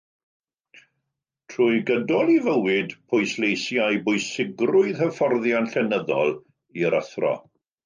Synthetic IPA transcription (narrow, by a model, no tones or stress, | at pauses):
tʰruːɨɡədɔlˠivəwɪdpʰʊjslejsjajbʊjsɪɡrʊɨðəfɔrðjanɬɛnəðɔ̰lˠ | iəɾəθrɔ̰